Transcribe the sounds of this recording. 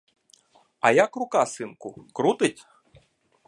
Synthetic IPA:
ɐjakrʊkasɪnkʊkɾut̪ɪtʲ

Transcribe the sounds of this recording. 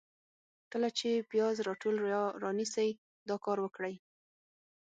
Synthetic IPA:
kəlat͡ʃepjɑzɾɑʈolɾɑnisaj | d̪ɑkɑɾwəkɽaj

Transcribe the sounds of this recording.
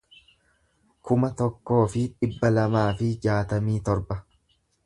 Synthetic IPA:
kʊmɐt̪ɔkːo̞ːfɪᶑɪbːɐlɐmaːfɪd͡ʒaːt̪ɐmiːt̪ɔɾbɐ

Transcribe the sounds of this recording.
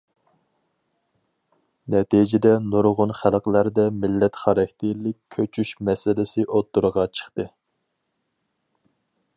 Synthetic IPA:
nɛt̪ʰid͡ʒɪd̪ɛnuɾʁʊnχælˠqəlæɾd̪ɛmɪlːɛt̪χɑɾɑkʰʲt̪ʰɪlɪk̚ʲʰːøt͡ʃʰyʃmɛsɪlɪsɪʔot̪ːuɾʁɑt͡ʃʰə̥χt̪ɨ

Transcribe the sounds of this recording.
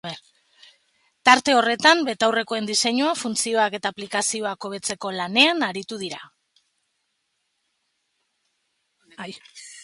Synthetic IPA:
t̪aɾt̪e̞o̞re̞t̪ambet̪awre̞ko̞e̞nd̪ise̞ɲuafunt͡sio̞ake̞t̪aːplikasio̞ako̞β̞e̞t͡se̞ko̞lane̞anaɾit̪uð̞iɾa

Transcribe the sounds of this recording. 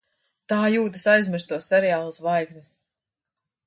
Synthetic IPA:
t̪aːjuːd̪ɨsajzmiɾst̪uɔssɛɾɛjaːlˠasvajɡnis

